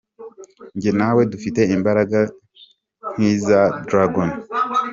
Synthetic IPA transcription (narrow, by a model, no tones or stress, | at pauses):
ɲɟenawe̞dufite̞imbaɾaɡa | n̥izadɾaɡon